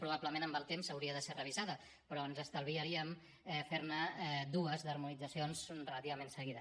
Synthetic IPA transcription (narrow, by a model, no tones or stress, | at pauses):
pɾuβ̞apləmẽnəmbəlˠt̪emzəwɾiəðəserəβ̞izaðə | pɾɔənzəst̪əlˠβiəɾiəm | ɛfeɾnəd̪uəzðəɾmunid͡zəsionzrələt̪iβəmensəɣiðə